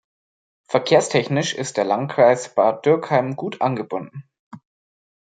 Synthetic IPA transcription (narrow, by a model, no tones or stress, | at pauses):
fɛɐkʰeːɐstʰɛçnɪʃɪ̰st̚d̥eːɐlantkʁ̥aɪsb̥at̚d̥ʏɐkhaɪmɡuːtʔanɡəbʊndn̩